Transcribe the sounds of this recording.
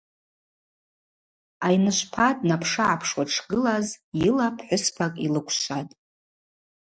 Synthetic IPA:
ajnɨʃʷpʰadʼnapʰʂɨʕapʰʂwaʈ͡ʂʰɡɨlazjilapʰħʷʊspʰakʼilɨkʷʰʃʷatʼ

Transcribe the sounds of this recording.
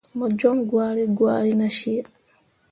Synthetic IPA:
mɔd͡ʒɔŋɡwaːɾiɡwaːɾinaʃiɛ

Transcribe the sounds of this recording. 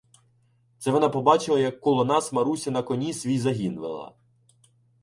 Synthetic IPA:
t̪sɛʋɔnɑpɔbɑt͡ʃɪlˠɐjɐkːɔlˠɔnɑsmɐɾusʲɐnɐkɔnʲisʲʋʲijzɐɦʲinʋḛlˠɐ̰

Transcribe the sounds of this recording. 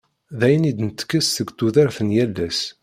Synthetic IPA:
ðæjənid̪nət̪ːə̥kːəsθəɡt̪ːuðəɾθənjælːæs

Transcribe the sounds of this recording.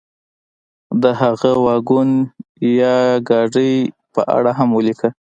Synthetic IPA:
d̪əhaɣəwɑɡunjɑɡɑɖəj | pəʔa̰ɽaɦamwəlikə

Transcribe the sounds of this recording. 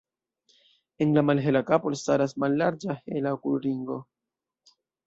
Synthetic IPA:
e̞nlamalɦelakapolstaɾasmalːaɾd͡ʒahelaokulɾiŋɡo̞

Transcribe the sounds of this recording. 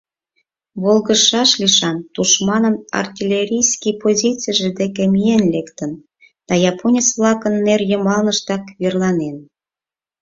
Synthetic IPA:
βolˠɣəʃɑʃliʃɑnt̪uʃmɑnənɑ̰rtʲilʲeɾʲijskipozʲit͡sijʒed̪ekemijenlekt̪ən | d̪̥ɑjɑpʰonʲisβlˠɑkənːerjəmɑlnəʃt̪ɑkβirlɑnen

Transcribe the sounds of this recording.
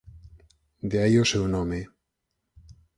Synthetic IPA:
d̪eajosewnõme

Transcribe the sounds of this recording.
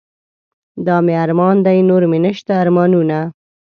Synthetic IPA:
d̪ɑmeaɾmɑnd̪ajnoɾmɪnəʃt̪aːɾmɑnuna

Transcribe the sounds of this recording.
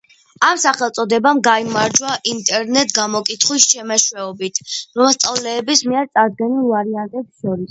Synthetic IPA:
amsaχɛlˠt̪sʼɔd̪ɛbamɡaimaɾd͡ʒwaʔint̪ʼɛɾnɛt̪ʼʰɡamɔkʼit̪ʰχwist͡ʃʰɛmaʃwɛɔbit̪ʰɾɔmast̪sʼavlɛːbismiɛɾt̪sʼaɾd̪̚ɡɛnilˠvaɾiant̪ʼɛpsʃɔɾis

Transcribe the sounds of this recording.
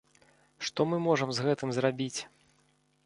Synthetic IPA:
ʂt̪ɔmɨmɔʐɐmzɣɛt̪ɨmzrabʲit͡sʲ

